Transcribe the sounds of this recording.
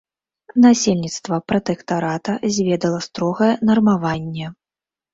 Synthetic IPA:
nasʲelʲnʲit̪st̪vɐpɾɐt̪ɛkt̪aɾat̪ɐzʲvʲɛd̪ɐlˠɐst̪ɾɔɣɐjɛnɐrmavanʲːɛ

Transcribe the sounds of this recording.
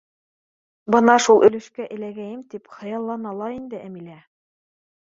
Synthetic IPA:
bɤnɑʃulˠʔɵ̆lɘ̆ʃkæʔɘ̆læɡæjɘmt̪ipχɤ̆jɑlˠːɑnɑlˠɑind̪ɘʔæmilæ

